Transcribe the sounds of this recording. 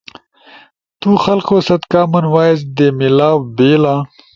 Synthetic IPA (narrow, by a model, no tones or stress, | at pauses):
t̪uxɐlkosɐt̪kaːmɐnwaːjesd̪emilaːwbeːla